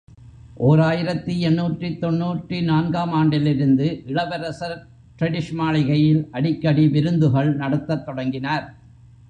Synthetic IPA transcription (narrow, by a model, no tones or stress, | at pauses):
ʔoːɾaːjɪɾɐt̪ːɯɛnːuːʈrit̪ːɔnːuːʈrinaːnɡaːmaːɳɖɪlɪɾɯnd̪ɯʔɪɭɐʋɐɾɐsɐɾ | ʈ̪ɾɐɽɪʂmaːɭɪɣɐjɪlʔɐɽɪkːɐɽiʋɪɾɯnd̪ɯɣɐɭnɐɽɐt̪ːɐt̪ːɔɽɐŋɡɪnaːɾ